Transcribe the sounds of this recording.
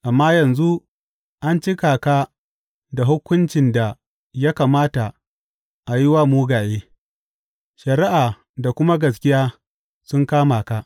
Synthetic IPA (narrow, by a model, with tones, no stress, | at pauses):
ʔa˨mːaː˦jɐ˨nzu˦ | ʔa˦nt͡ʃɪ˦kaː˨ka˦ | da˨ɦʊ˦kʷʊ˦nt͡ʃɪ˨nda˨ | ja˦kaː˨maː˦ta˨ | ʔa˨jɪ˦wa˦muː˦ɡaː˨jeː˦ | ʃɐ˨ɾɪ˦ʔaː˨ | da˨kʷʊ˦ma˦ɡɐ˨s̬kʲɪ˦jaː˦ | sʊ˦ŋkaː˦maː˨ka˦ʔ